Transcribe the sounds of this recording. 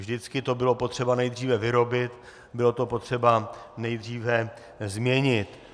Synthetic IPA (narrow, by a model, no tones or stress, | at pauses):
vʒdɪt͡skɪt̪o̞bɪlo̞po̞t̪r̥ɛbanɛjd̪riːvɛvɪɾo̞bɪt̪ | bɪlo̞t̪o̞po̞t̪r̥ɛbanɛjd̪r̝iːvɛ | zmɲɛɲɪt̪